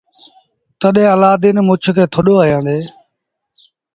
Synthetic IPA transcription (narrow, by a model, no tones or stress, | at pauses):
t̪əɗɦẽːəlaːd̪ɪːnmʊt͡ʃʰkʰeːt̪ʰʊɗoːaːjãːd̪eː